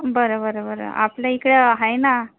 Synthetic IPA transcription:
bəɾəbəɾobəɾ̰a̰plaikɽəɦajna

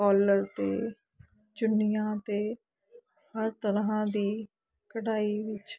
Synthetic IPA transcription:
kɔːləɾt̪eː | d͡ʒʊnɪjãːt̪eː | həɾt̪əɾɦãːd̪iː | kəɽaːiːʋɪt͡ʃ

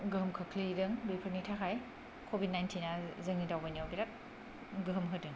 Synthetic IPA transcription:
ɡɯɦɯmkʰɯkʰlidɯŋbipʰənitʰakʰaj | kʰobid̚najntʰinazɯŋidawbaniawbiɾat̚ | ɡɯɦɯmɦɯdɯŋ

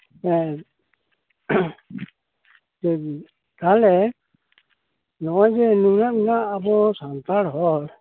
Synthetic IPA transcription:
ɛ | ɛ | t̪alɛ | nɔjd͡ʒɛnunaminaːbɔsant̪aɽɦɔl

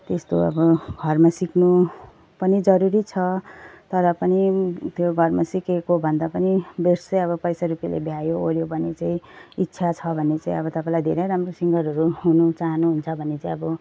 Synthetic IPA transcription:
t̪est̪oʌ̰bʌɡʱʌrmasiknu | pʌnid͡zʌɾuɾit͡sʰʌt̪ʌɾʌpʌnit̪joɡʱʌrmasikekobʱʌnd̪apʌnibeɾsʌjʌβʌpʌjsaɾupjalḛbʱjajooɾjobʱʌnet͡saĩitːsʰat͡sʰʌbʱʌnːet͡saĩʌbʌt̪ʌpaĩlaid̪ʱeɾejɾamrosiŋɡʌɾɦʌɾuɦunut͡saɦʌnuɦunt͡sʰʌbʱʌnːet͡saĩʌbʌ

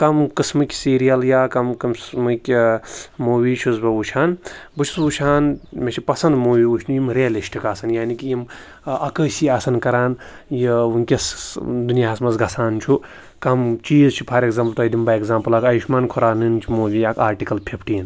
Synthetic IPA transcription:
kɐmkɨsmɨkʲsiːɾijɐljaːkɐmkɐmsmɨkʲ | moːʋʲit͡ʃʰusbɐʋut͡ʃʰaːnbɨt͡ʃʰu̥sʋut͡ʃʰaːnmʲet͡ʃʰipɐsɐnd̪moːʋʲiut͡ʃʰnujimɾeɐliʃʈikaːsɐnjaːnikʲijim | ɐkəːsiaːsɐnkɐɾaːn | jiʋuŋkʲɐsd̪unijaːɐsmɐsɡɐsaːnt͡ʃʰu | kɐmt͡ʃiːzt͡ʃʰi̥pʰɐɾekzaːmpɐlt̪oɐd̪imbɐekzaːmpɐlaːkɐjiʃmaːnkʰoɾaːnɨnt͡ʃʰimoːʋʲiakʰaːɾʈikɐlpʰepʰʈiːn

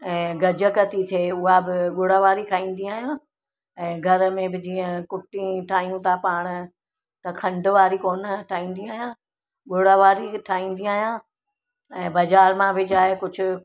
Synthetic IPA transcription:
ɛ̃ːɡɐd͡ʑə̆kɐt̪it̪ʰeːʊɦabɪɠʊɽaʋaːɾikʰaːĩːn̆d̪iaːɦijã | ɛ̃ːɡʱɐɾmẽbɪd͡ʑiːə̃kʊʈĩʈʰaːɦijũt̪ʰapaːɽ̃̆ | t̪ɐkʰɐ̃ɳɖʊ̆ʋaːɾikoːnʈʰaːɦĩːn̆d̪iaːɦijã | ɠʊɽaʋaːɾiʈʰaːĩːn̆d̪iaːɦijã | ɛ̃ːbɐzaːɾmãʋɪd͡ʑaːekʊd͡ʑʱʊ̆

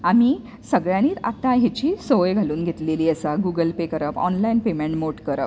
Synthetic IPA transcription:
ami | səɡɭjãñiːt̪a̰t̪ãɦet͡ɕiːsoʋjɡʱaluːnɡʱet̪leliːəsaɡuɡəlpekəɾəpɔ̰nlainpemeɳʈmoʈkəɾəp̚

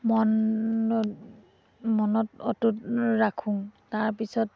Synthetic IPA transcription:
mɔn | mɔnɔtɔtutɹakʰũŋtaɹpisɔt

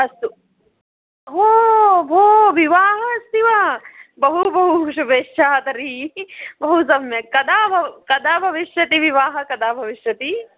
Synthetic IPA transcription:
ɐst̪u | ɦoːbʱoːʋiʋaːɦɐɐst̪iʋabɐɦubɐɦuʃ̬ubeːʃaːt̪ɐɾi | bɐɦus̬ɐmjɐkɐd̪aːbʱɐkɐd̪aːbʱɐʋɪʃjɐt̪iʋiʋaːɦɐkɐd̪aːbʱɐʋiʃjɐt̪i

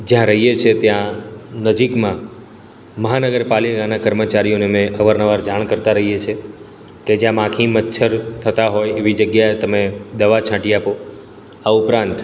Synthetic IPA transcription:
d͡ʒjãɾəɦijet͡ʃʰet̪jãnəd͡ʒikmã | məɦanəɡəɾpalikanakəɾmət͡ʃaɾijonemẽʔəʋəɾnəʋaɾd͡ʒaɳ̃kəɾt̪aɾəɦijet͡ʃʰe | ked͡ʒjãmãkʰimət̪ːʃʰəɾt̪ʰət̪aɦojeʋid͡ʒəɡjaet̪əmed̪əʋat͡ʃʰãʈiapo | aupɾãnt̪

